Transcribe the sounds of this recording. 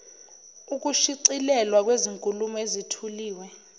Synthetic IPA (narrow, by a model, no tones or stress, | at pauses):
uk̬uʃiǀilɛlwak̬weziŋkʼulumɔezitʰuliːwɛ